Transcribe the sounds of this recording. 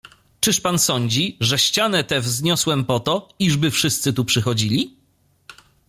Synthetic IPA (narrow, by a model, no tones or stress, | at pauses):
t͡ʂɘʂpansɔɲd͡ʑiʐɛɕt͡ɕanɛt̪ɛvzɲɔswɛmpɔt̪ɔiʐbɘfʂɘst̪sɘt̪upʂɘxɔd͡ʑilʲi